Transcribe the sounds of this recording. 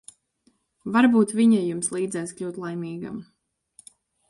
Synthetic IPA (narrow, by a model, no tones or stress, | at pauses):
vaɾbuːt̪vʲiɲajumslˠiːd̪zɛjsklʲuwt̪lˠajmiːɡa̰m